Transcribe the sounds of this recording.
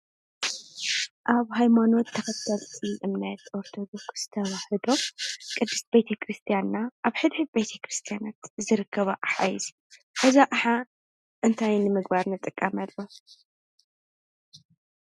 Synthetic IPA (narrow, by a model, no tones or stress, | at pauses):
ʔaβɦajmano̞t̪ʰːɐxɐt̪ʰːɐlʰʼiʔɨmnɐt̪ʔoɾt̪ʰo̞d̪o̞ksz̥t̪ʰɐβaħɨd̪o̞kʼɨd̪ːɨst̪bet̪ʰɐkʰɾɨst̪ʰijanːaʔaβħɨd̪ħɨbet̪ʰɐkɾɨst̪ʰijanat̪zɨɾɨkʰːɐβaʔaħa̰jizi | ʔɐzaʔaħa | ʔɨnt̪ʰajnɨmɨɡbaɾnɨt̪ʼɨkʼːɐmɐlːo